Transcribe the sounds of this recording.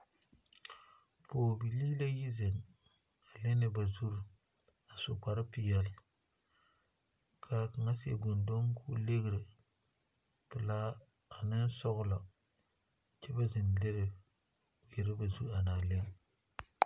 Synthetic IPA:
poː˨bi˨liː˦la˦ji˦zɪ˨ŋ | a˨lɪ˦nɪ˦ba˨zu˦ɾ | a˨sʊ˨k͡pa˨ɾa˦pɪ˨jɛ˦l | kʰa˨ka˨ŋa˦si˨ḛ˨ɡo˨ndo˦ŋ˦kʰṵ˦le˦ɣɪ˨ɾɪ˨ | pɪ˨laː˦ | a˨nɪ˦n˦sɔ˦ɣʊ˦la˨ | t͡ʃɛ˦ba˦zɪ˨n˨le˦ɾɪ˨ | bɪ˨ɾɪ˦ba˨zu˦ɾa˨naː˨le˦ŋ

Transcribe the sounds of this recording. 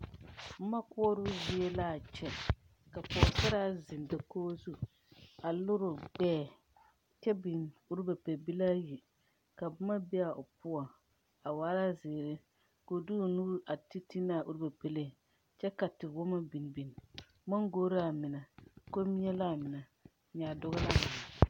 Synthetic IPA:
b̩˦ma˦kʊ˦ɔ˦ɾʊ˦zi˦ɛ˦la˦˨t͡ʃɛ˦ | ka˨pɔ˨sa˦ɾa˦zɪ˨n˨da˨koː˦zu˦ | a˨lʊ˦ɾʊ˨ɡ͡bɛː˦˨ | t͡ʃɛ˦bi˨nu˦ɾba˨pɛ˨bi˦laː˦ji˨ | ka˨bma˦bɛ˦a˨ʔʊ˨pʊ˦a˨ | a˨waː˦la˦zɪː˨ɾɪ˦ | ko˨du˦˨nu˦ʔa˨ti˦ti˦na˦˨ʔu˦ɾba˨pɛ˨le˦˨ | t͡ʃɛ˦ka˨tɪ˨wɔ˦ma˦bi˨n˨bi˨n˨ | ma˦ŋɡoː˦ɾa˨mɪ˨na˨ko˦mi˦ɲɛ˦la˦˨mɪ˨na˨ | ɲaː˨dʊ˦ɣʊ˦la˦mɪ˨na˨

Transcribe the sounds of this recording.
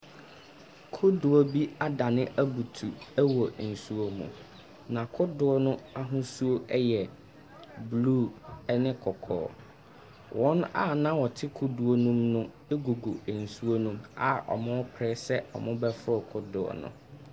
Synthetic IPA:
kʰʊ˦dʊ˨o˦bi˦a˦da˨nɪ̃˦ʔæ˦bu˨tʰu˨æ˦wɔ˨n̩˨su˦o˦mṵ̃˨ | nã˨kʰʊ˦dʊ˨˦ɔ˦nʊ̃˦a˦ɦʊ̃˦su˦o˦ʔɛ˦jɛ˨ | bluː˦ɛ˦nɪ̃˦kʰɔ˨kʰɔ̰ː˨˦ | wʔɔ̃˦na̰˦nã˦wɔ˨tʰɪ˦kʰʊ˦du˨o˦nũ˦mnʊ̃˦ | e˦ɡo˨ɡo˨n̩˨su˦o˦nũ˦ma˨ʔɔ̰˨mʊ̃˦ɔ˦pʰɾɛː˦sɛ˦ɔ̰˨mʊ̃˦bɛ˦fʊ˦ɔ˨kʰʊ˦dʊ˨ɔ̰˨nʊ̰̃˦

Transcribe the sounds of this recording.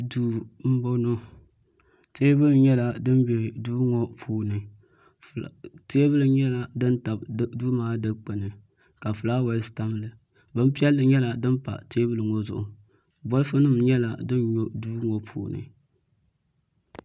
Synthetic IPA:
duː˦m̩˦bo˦no˦ | teː˦bɨ˦lɨ˨ɲɛ˦la˨dɨ˦m˦be˨duː˦ŋɔ˦pʰuː˦nɨ˨ | fteː˦bɨ˦lɨ˨ɲɛ˦la˨dɨ˦nta˨bduː˦maː˦dɨ˦k͡pɨ˨nɨ˨ | ka˨fɨ˨laː˦wɛ˨lɪ˦sta˦m˦lɨ˨ | bɨ˦m˦pi˦ɛ˦lːɨ˨ɲɛ˦la˨dɨ˦npa̰˨teː˦bɨ˦lɨ˨ŋɔ˦zʊ˨ʔʊ˨ | bɔ˦lɨ˦fɨ˦nɨ˦mɲɛ˦la̰˨dɨ˦nɲo˦duː˦ŋɔ˨pʰuː˨nɨ̰˨

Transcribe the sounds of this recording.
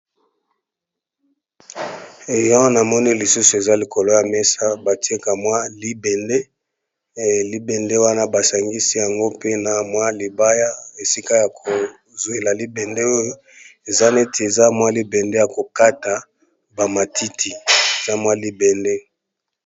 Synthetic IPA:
e˨jã˦na˨mɔ˦ni˦li˨su˦su˨e˨za˦li˨ko˨lo˦ja˨mɛ˦sa˦ba˨ti˦e˦ka˨mwa˦li˦bɛ˨nde˦ | li˦bɛ˨nde˦wa˦na˦ba˨sa˨ŋɡi˦si˦ja˨ŋɡo˦pe˦na˨mwa˦li˨ba˦ja˦e˨si˦ka˦ja˨kʰo˨ | zo˨e˨la˨li˦bɛ˨nde˦o˦jo˦ | e˨za˦nɛ˦tʰi˨e˨za˦mwa˦li˦bɛ˨nde˦ja˨ko˨ka˦ta˨ | ba˨ma˨ti˦tʰi˨e˨za˦mwa˦li˦bɛ˨nde˦

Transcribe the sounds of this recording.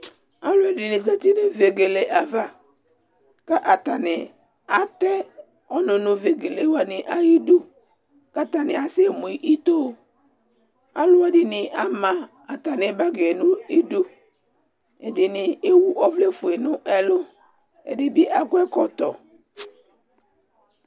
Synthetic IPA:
a˦lʊ˦ɛ˨dɪ˨nɪ̃˨za˦t̪i˦nɪ˦ve˨ɡe˨le˨ʔa˨va˨ | ka˦ʔa˨t̪a˨nɪ˨ | a˦t̪ɛ˦ | ɔ˦nʊ̃˨nʊ̃˨ve˨ɡe˨le˨wa˨nɪ˨ʔa˦ji˦du˦ | ka˦t̪a˨nɪ̃˨a˨sɪ˦˨mõ˨i˨ʔi˦t̪o˦ | a˦lʊ˦a˦dɪ˨nɪ̃˨ʔa˦mã˨ | a˨t̪a˨nɪ˨ba˦ɡe˨nʊ̃˦i˦du˦ | e˨dɪ˨nɪ˨e˦wu˦ʔɔ˦vle˦fʊ˨e˨nʊ̃˦ʔɛ˨lʊ˦ | ḛ˨dɪ˦bɪ˦ʔa˦kʊ˦ɛ˦kɔ˨t̪ɔ˨

